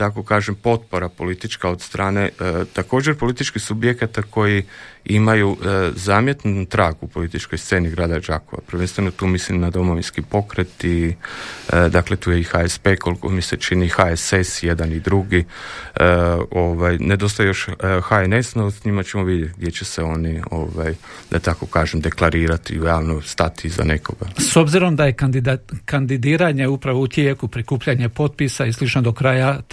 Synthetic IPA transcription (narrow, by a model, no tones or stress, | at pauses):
t̪ako̞kaːʒempo̞t̪̚po̞ɾapo̞lit̪it͡ʃkao̞d̪st̪ɾaːne̞t̪ako̞ːd͡ʒe̞ɾpo̞lit̪it͡ʃkixsubjekat̪akʰo̞jiimajuzaːmje̞t̪nut̪ut̪ɾaːɡupo̞lit̪it͡ʃko̞jsse̞ːniɡɾaːd̪ad͡ʒako̞ʋa̰pɾ̩ʋenst̪ʋe̞not̪uːmislimnad̪o̞mo̞ʋinskipo̞kɾet̪i | d̪akle̞t̪uːjeixaespeːko̞lˠikomiset͡ʃinixaesesjed̪anid̪ɾuɡi | o̞ʋajne̞d̪o̞st̪ajejoʃxaenesnosɲimat͡ɕe̞moʋid̪jet̪ɡ̚d̪je̞t͡ɕeseo̞nio̞ʋajd̪at̪ako̞kaːʒemd̪e̞klˠaɾiːɾat̪ḭɾealˠnost̪at̪iza̰ne̞ko̞ɡaso̞bziɾo̞md̪aje̞kd̪ikand̪id̪iːɾaɲe̞upɾaʋout̪jeːkupɾikuːpʎaɲe̞po̞t̪̚pisaislit͡ʃnod̪o̞kɾaːja